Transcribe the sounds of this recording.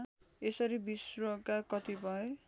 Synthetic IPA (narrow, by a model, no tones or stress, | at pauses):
esʌɾibisrokakʌt̪ibʱʌe